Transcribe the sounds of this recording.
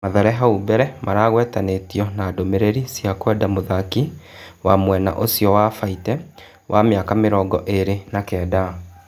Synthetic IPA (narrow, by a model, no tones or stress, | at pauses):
maðɛɾɛɦaubɛɾɛmʔaɾaːɣwɛtanetiɔnaːdomeɾeɾisjakwɛdamoðaki | wamwɛna̰ʔosjɔwafaitɛ | wʔameakameɾɔːɡɔʔeɾenakɛːda